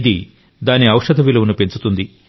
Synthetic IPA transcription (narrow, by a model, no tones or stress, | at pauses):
d̪i | d̪aːniɐwʂɐd̪ʱɐʋilɐunupe̞nt͡ʃut̪und̪i